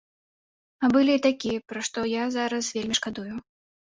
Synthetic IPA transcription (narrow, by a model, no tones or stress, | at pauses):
ɐbɨlʲiːt̪akʲiɛpɾaʂt̪ɔjazaɾɐsvʲelʲmʲiʂkad̪ujʊ